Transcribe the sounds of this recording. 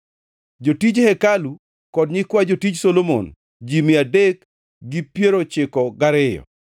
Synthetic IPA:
d͡ʒotid͡ʒhɛkalu | kɔdɲɪkwad͡ʒotid͡ʒsolomo̰n | d͡ʒimɪadek | ɡipjeɾot͡ʃɪkɔɡaɾɪjɔ̰

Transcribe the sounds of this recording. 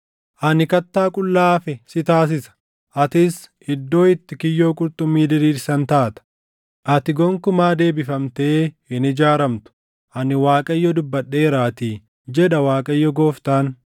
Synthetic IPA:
ʔɐnɪkɐt̪ːaːkʼʊlːaːfɛsɪt̪aːs̬ɪsɐ̥ | ʔɐt̪ɪs | ɪd̪ːo̞ːɪt̪ːɪkɪjːo̞ːkʼʊɾt̪ʼʊmːiːd̪ɪɾiːɾsɐnt̪aːt̪ɐ̥ | ʔɐt̪ɪɡɔŋkʊmaːd̪e̞ːbɪfɐmt̪eː | ɪnɪd͡ʒaːɾɐmt̪ʊ̥ | ʔɐnɪwaːkʼɐjːɔd̪ʊbːɐɗːeːɾaːt̪iː | d͡ʒɛᶑɐwaːkʼɐjːɔɡo̞ːft̪aːn

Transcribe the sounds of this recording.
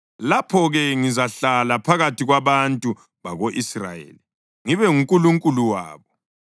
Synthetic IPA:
lapʰɔɣɛŋizaɬalapʰaɣatʰiɣwaβantʼu | βaɣoʔisra̰jḛːli | ŋiβɛŋuŋkʼuluŋkʼuluwa̰ːβɔ

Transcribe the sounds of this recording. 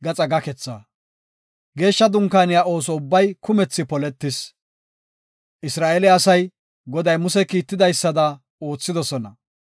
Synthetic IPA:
ɡɐt͡sʼɐɡɐkɛt͡sːa̰ː | ɡe̞ːʃːɐd̪ʊŋkaːnɪjao̞ːsɔʊbːɐjkʊmɛt͡sːɪpɔlɛt̪ːɪs | ʔɪsɾaːʔɛlɪɐsɐj | ɡɔd̪ɐjmʊsɛkiːt̪ːɪd̪ɐjsːɐd̪ɐ | o̞ːt͡sːɪd̪ɔsɔnɐ

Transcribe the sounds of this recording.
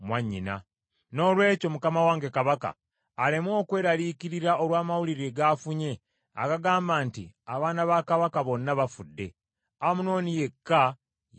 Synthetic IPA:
mwaɲːina̰ | no̞ːlwe̞ːco̞mukamawaːŋɡekaβaka̰ː | lemwo̞ːkwe̞ːɾalikiɾiɾao̞lwaːmawuliɾeɡaːfuɲe̞ | a̰kaɡaːmbaːntiaβaːnaβaːkaβakaβo̞nːaβafudːe̞ | amuno̞ːnije̞kːa

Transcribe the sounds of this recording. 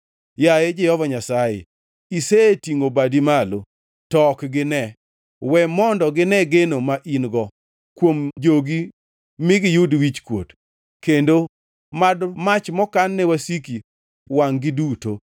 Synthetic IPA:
jajed͡ʒehɔvaɲasajḛ | isetiŋobadimalo | tɔkɡɪnɛ | wɛmɔndɔɡɪnɛɡenomaʔinɡɔ | kwomd͡ʒoɡi | mɪɡɪjudwit͡ʃkwot | kendo | madmat͡ʃmɔkanːɛwasiki | waŋɡɪduto

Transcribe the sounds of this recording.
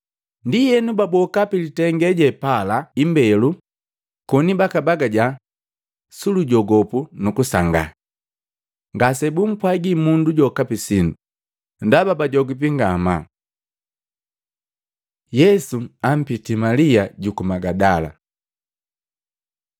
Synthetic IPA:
ndijɛnubabɔkapilitɛŋɡɛɟɛpalaimbɛlu | kɔnibakabaɡaɟa | suluɟɔɡɔpunukusaŋɡa̰ | ŋɡasɛbum̩pwaɡimunduɟɔkapisindu | ndababaɟɔɡip̬iŋɡama̰ | jɛsuam̩pitimaliaɟukumaɡadala̰

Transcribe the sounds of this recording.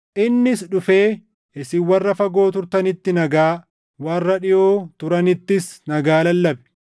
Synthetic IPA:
ʔɪnːɪsᶑʊfeː | ʔɪsɪwɐrːɐfɐɡo̞ːt̪ʊɾt̪ɐnɪt̪ːɪnɐɡaː | wɐrːɐᶑɪʔoːt̪ʊɾɐnɪt̪ːɪsnɐɡaːlɐlːɐbɛ̥

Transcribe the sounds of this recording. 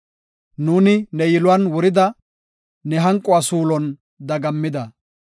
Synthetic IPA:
nuːnɪnɛjɪlʊwanwʊɾɪd̪ɐ | nɛɦɐŋkʼːʊaːsuːlɔn | d̪ɐɡɐmːɪd̪ɐ

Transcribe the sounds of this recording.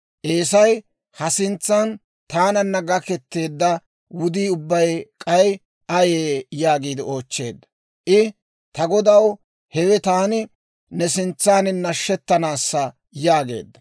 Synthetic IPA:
ʔeːsɐj | hɐsɪnt͡sːan | t̪aːnɐnːɐɡɐkɛt̪ːe̞ːd̪ːɐ | wʊd̪iːʊbːɐjkʼɐj | ʔɐjeːjaːɡiːd̪ɪo̞ːt͡ʃːe̞̰ːd̪ːɐ | ʔɪ | t̪ɐɡɔd̪ɐw | hɛwɛt̪aːnɪ | nɛsɪnt͡sːaːnɪnːɐʃːɛt̪ːɐnaːsːɐ | jaːɡe̞̰ːd̪ːɐ

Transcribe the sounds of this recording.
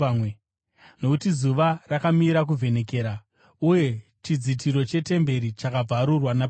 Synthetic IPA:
nokutizuʋarakamiɾak̬uvʱe̞ne̞ke̞ːɾa | uje̞t͡ʃid͡zit̬ʰiɾo̞t͡ʃe̞te̞mbe̞ɾit͡ʃakab͡vaɾurwana

